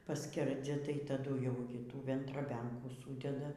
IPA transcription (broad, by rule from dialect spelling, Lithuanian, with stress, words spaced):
pɐˈsʲkʲɛrʲd͡zʲɛ tɐɪ tɐˈdʊ jɛʊ ɡʲɪ ˈtuː ʋʲɛntrɐˈbʲɛŋkuː ˈsuːdʲɛdɐ